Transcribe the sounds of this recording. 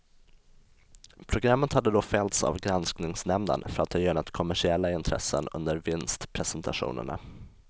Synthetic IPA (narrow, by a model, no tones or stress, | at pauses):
pʰɾʊɡɾamːət̪had̪ːəd̪ofɛlt̪sa̰vɡɾansknɪŋsnɛmd̪ə̰nfœɾat̪̚hɑjœnat̪kʰɔmæʂɪɛlːaɪnt̪ʰɾɛ̰sːə̰nɵ̰nd̪əɾvɪnst̪pʰɾɛsɛnt̪ʰaɧṵːnə̰ɳa̰